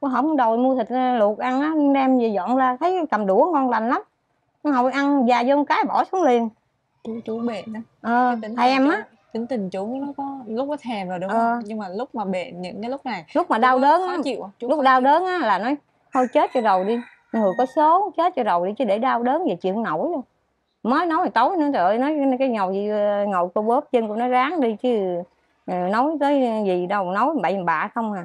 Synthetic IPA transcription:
ɦɔ˨˧˩wɗo˨˩jmu˧ət̪ʰï˨˩k̚lu˨˩ək̚ʔa˧ŋʔaː˨˦˧ɗɛ˧mzi˨˩zɔ̰˧˨nzaː˧t̪ʰə˨˦jkə˨˩mɗu˧˩əŋkɔ˧nla˨˩jŋ̟la˨˦m˨˦ | ɦə˨˩wʔa˧nzaː˨˩zɔ˧m˨˧˩kaː˨˦jɓɔ˧˩su˨˦nli˨˩ən | t͡ɕu˨˦t͡ɕu˧˦ḛ˧˨na˨˦ʔəː˨˩˧t̪i˨˦ŋt̪ʰɛ˨˩mʔaː˨˦ | t̪ï˨˦ŋ̟t̪ï˨˩ŋt͡ɕu˨˦˨nɔ˨˦kɔ˨˦lʊ˦˥k͡p̚nɔ˨˦t̪ʰɛ˨˩mzo˨˩jɗʔəː˦˨˩ɲɨ˧ŋmaː˨˩lʊ˦˥k͡p̚maː˨˩ɓḛ˧˨nɲɨ̰˧˥ŋkaː˨˦lʊ˦˥k͡p̚na˨˩jlʊ˦˥k͡p̚maː˨˩ɗaː˧wɗəː˨˦nʔa˨˦t͡ɕḭ˧˨wlʊ˦˥k͡p̚ɗaː˧wɗəː˨˦nʔaː˨˦laː˨˩nɔ˨˦j | h̪ʰo˧jt͡ɕe˦˥t̚t͡ɕɔ˧zə˨˩wɗi˧ | ŋɨ˨˩əjkɔ˨˦so˨˦t͡ɕe˦˥t̚t͡ɕɔ˧zə˨˩wɗi˧t͡ɕɨ˨˦ɗe˧˩ɗaː˧wɗəː˨˦nze˨˩t͡ɕḭ˧˨əŋno˧˩jlo˧ | məː˨˦jno˨˦wjhjt̪o˨˦jnɔ˨˦t̪əː˧˨jnɔ˨˦jkaː˨˦jŋə˨˩wzi˧˩ŋə˨˩wjko˧ɓəː˦˥p̚t͡ɕə˧nkʊ̰˧˥nɔ˨˦jzaː˨˦ŋɗi˧t͡ɕɨ˨˦˨ | no˨˦jt̪əː˨˦jzi˨˩ɗə˨˩wno˨˦jɓa˨˧˩jhɓa̰ː˧˨xə˧wŋ͡mhaː˨˩

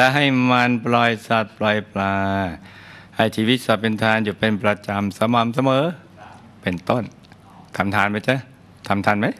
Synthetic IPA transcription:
lɛ˧ɦa˥˩jma˧nplɔ˧jsa˧˩t̪̚plɔː˧jplaː˧ | ha˧˩jt͡ɕʰiː˧wi˦˥t̪̚sɔ˧˩pe˧nt̪ʰaː˧njuː˨˩pe˧npɾa˧t͡ɕa˧msa˧maː˨˧˦ms̬a˧mɤː˨˦ | pe˧nt̪o˥˩n | t̪ʰa˧mt̪ʰaː˨˧˥nma˧˥˩t͡ɕa˧˥˩ | t̪ʰa˧mt̪ʰaː˧nma˦˥j

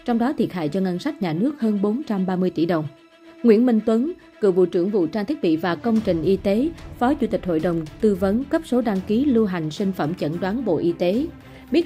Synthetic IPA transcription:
t͡ɕɔ˧wŋ͡mɗɔ˨˦t̪ʰi˨˩ət̚ha̰ː˧˨jt͡ɕɔ˧ŋa˧nsa˦˥jk̟̚ɲaː˨˩nɨ˦˥ək̚həː˧nɓo˨˦nt͡ɕa˧mɓaː˧mɨ˧əjt̪ḭ˧˩ɗə˨˩wŋ͡m | ŋwḭ˧˥ənmï˧ŋt̪wə˨˦n | kɨ̰˧˨vṵ˧˨t͡ɕɨ̰˧˩əŋvṵ˧˨t͡ɕaː˧t̪ʰi˦˥ət̚ɓḭ˧˨vaː˨˩kə˧wŋ͡mt͡ɕï˨˩ŋ̟ʔi˧t̪e˨˦fɔ˨˦t͡ɕu˧˥t̪ï˨˩k̟̚ho̰˧˨jɗə˨˩wŋ͡mt̪ɨ˧və˨˦nkə˦˥p̚so˨˦ɗaː˧ŋki˨˦lu˧ɦa˨˩jŋ̟sï˧ŋ̟fə̰˧˩mt͡ɕə̰˧˥nɗwaː˨˦nɓo̰˧˨ʔi˧t̪e˨˦ | ɓi˦˥ət

